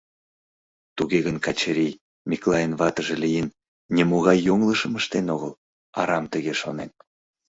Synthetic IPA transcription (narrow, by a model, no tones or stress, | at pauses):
t̪uɣeɣənkɑt͡ɕəɾʲij | miklˠɑjənβɑt̪əʒelijənːʲ | emoɣɑjːoŋləʃəməʃt̪enoɣəl | ɑ̰ɾɑmt̪əɣeʃonen